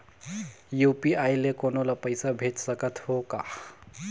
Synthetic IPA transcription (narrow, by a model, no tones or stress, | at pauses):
jupiajlekonolapəjsabʱeʈsəkət̪hoka